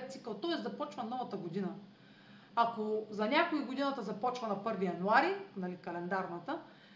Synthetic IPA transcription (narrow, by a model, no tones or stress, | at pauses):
t̪t̪sikəlˠt̪ɔɛszɐpɔt͡ʃvɐnɔvɐt̪əɡod̪inɐ | akozɐnʲakoiɡʊd̪inɐt̪ɐzɐpɔt͡ʃvɐnɐpɤɾvijɐnuaɾinɐlikɐlɛnd̪aɾnət̪ə